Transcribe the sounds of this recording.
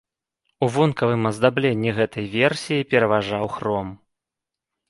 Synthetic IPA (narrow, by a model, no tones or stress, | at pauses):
uvɔnkɐvɨmɐzd̪ablʲɛnʲːiɣɛt̪ɐjvʲɛrsʲijipʲɛɾɐvaʐawxrɔm